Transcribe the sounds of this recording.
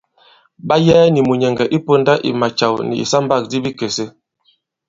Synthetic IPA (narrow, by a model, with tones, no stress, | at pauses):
ba˦jɛː˦ni˨mu˨ɲɛ˨ŋɡɛ˨ʔi˦po˦nda˦ʔḭ˨ma˨t͡ʃa˨wnḭ˨ḭ˨sa˦mba˦˨k̚di˦bi˦ke˨se˦